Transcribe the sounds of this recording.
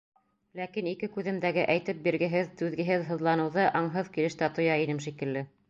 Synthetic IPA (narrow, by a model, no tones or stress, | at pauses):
lækinikɘkʉðɘ̆md̪æɡɘʔæjt̪ɘp̚biɾɡɘ̆ɦɘðt̪ʉðɡɘ̆ɦɘðɦɤ̆ðlˠɑnɤ̆wðɤʔɑɴɦɤðkilɘ̆ʃt̪æt̪ŏjɑinɘmʃikɘ̆lːɘ